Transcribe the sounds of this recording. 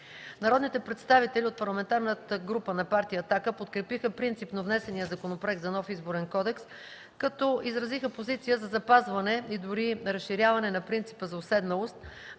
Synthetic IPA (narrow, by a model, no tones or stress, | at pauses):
nɐɾɔd̪nit̪ɛpɾɛt̪st̪avit̪ɛlʲiot̪̚pɐɾlˠɐmɛnt̪aɾnət̪əɡɾupənɐpaɾt̪ijəːt̪akəpot̪kɾɛpixəpɾint̪sipnovnɛsɛnijəzɐkonopɾɛɡ̪̚zɐnɔfizboɾɛnkɔd̪ɛks | kɐt̪ɔizɾɐzixəpozit̪sijəzɐzɐpazvɐnɛid̪ʊɾiɾɐsʃːiɾʲjavɐnɛnɐpɾint̪si̥pəzɐosɛd̪nɐlˠost̪̚